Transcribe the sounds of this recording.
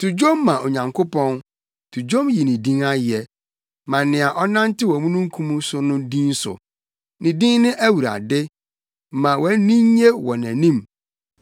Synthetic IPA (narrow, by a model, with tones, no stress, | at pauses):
tʰu˨d͡ʑo˦mːã˨ʔo˨ɲã˨ŋkʰo˦pɔ̃˦n | tʰu˨d͡ʑõ˦mji˨nĩ˨dĩ˦ŋa˦jɛ˨ | mã˨nɪ̃˨a˨ʔɔ˦nã˦n˦tɪ˦wɔ˨mũ˦nũ˦ŋ̩˦kʰũ˦mũ˦sʊ˦nʊ̃˦dĩ˦n˦sʊ̰˨ | nĩ˨dĩ˦ŋnɪ̃˦ʔæ˦wu˨ɾa̰˨dɪ˦˨ | mã˨wɔ˨˦nĩ˦ɲ˦ɲe˦wɔ˨næ̃˨nĩ˦m